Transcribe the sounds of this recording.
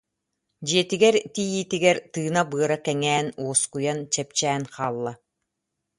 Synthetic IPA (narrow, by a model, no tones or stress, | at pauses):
d͡ʑiɛt̪iɡɛɾt̪ijiːt̪iɡɛɾt̪ɯːnabɯɐɾakɛŋɛːnuɔskujant͡ɕɛp̚t͡ɕɛːnqaːlˠːa